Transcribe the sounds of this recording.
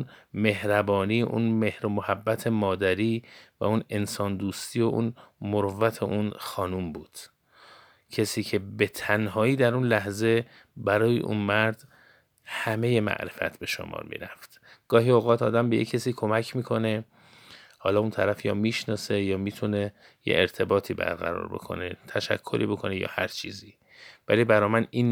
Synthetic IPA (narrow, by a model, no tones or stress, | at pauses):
nme̞hɾæbɒːniːjeʔṵnmehɾomohæbːæt̪ʰe̞mɒːd̪æɾiːvæ̰une̞nsɒːnd̪uːst̪iːo̞ʔṵnmoɾvæt̪ʰḛʔunxɒːnumbuːd̪̥ | cʰesiːcʰe̞bet̪ʰænhɒːiːd̪æɾunlæhze̞ | bæɾɒːjḛʔṵnmæɾd̪ | hæme̞je̞mæ̰ʔɾefæ̰t̪ʰbe̞ʃo̰mɒ̰ːɾmḭːɾæft̪ | ɡ̥ɒːɦiːoɣɒːt̪ʰɒːd̪æmbe̞jḛkʰːesiːkʰo̞mæcʰmiːkʰo̞ne̞ | hɒːlɒːunt̪ʰæɾæfjɒːmiːʃnɒːse̞jɒːmiːt̪ʰune̞ | jḛʔeɾt̪ʰe̞bɒːt̪ʰiːbæ̰ɾɣæ̰ɾɒ̰ːɾbo̞̰kʰo̞̰net̪ʰæʃæ̰kʰːo̞ɾʔḭːbo̞kʰo̞nejɒ̰ːhæɾt͡ʃʰiːziː | vælibæɾɒːmæniːn